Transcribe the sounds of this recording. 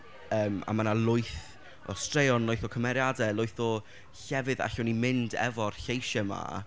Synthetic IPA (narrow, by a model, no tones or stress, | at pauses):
əːma̰manalˠʊɨθ | ɔ̰strejɔnlˠʊjθɔkʰəmɛɾjadɛlˠʊɨθɔ | ɬɛvɨða̰ɬɔnimɪndɛ̰vɔrɬejʃəma̰